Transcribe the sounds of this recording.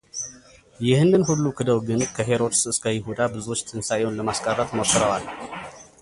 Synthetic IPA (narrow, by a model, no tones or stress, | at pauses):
jɪhɨnːɨnhulːukʰɨd̪əwɡɨnkʰəɦe̞ɾo̞d̪sɨskʰəjɪɦud̪abɨzuwo̞t͡ʃːt̪ʰɨnsajo̞nləmaskʼərːət̪mosɨɾəwal